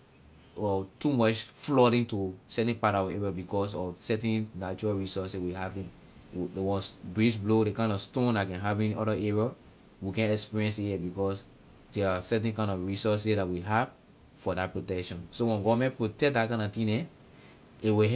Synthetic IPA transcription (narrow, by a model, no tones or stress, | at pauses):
ɔtumɔt͡ʃflɔɾĩntusɛtɛ̃npatɔvɛɹɔbikɔs̬ɔvsɛtɛ̃nnat͡ʃuɹaɹisɔsɛwihavĩn | wɔ̃sbɹisblodekãɪ̃ndɔstõndakɛ̃nɦavĩnɔɾaʔɛɹɔ | wikɛ̃nɛkspiɹiɛ̃nsiɛbikɔs | dɛasɛt̬ɛ̃nkãɪ̃nɔfɹisɔs̬idatwiɦav | fɔdat̚pɹotɛkʃɔ̃nsowɛ̃nɡɔvmɛ̃npɹotɛk̚dat̚kãɪ̃nɔtĩnɛ̃ | ewiɦ